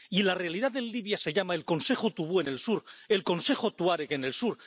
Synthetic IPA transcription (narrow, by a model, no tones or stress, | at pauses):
ilare̞aliðaðe̞nliβjase̞ʝamaelko̞nse̞xot̪uβue̞ne̞lsuɾe̞lko̞nse̞xot̪uaɾekene̞lsuɾ